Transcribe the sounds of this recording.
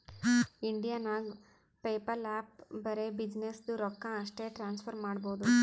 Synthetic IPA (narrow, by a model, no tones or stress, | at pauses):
iɳɖijaːnaɡ | peːpɐɾaːp̚bɐɾe̞bid͡ʒnesd̪uɾɔkːaɐʂʈe̞ːʈɾaːnspʰɐɾmaːɽbo̞ːd̪u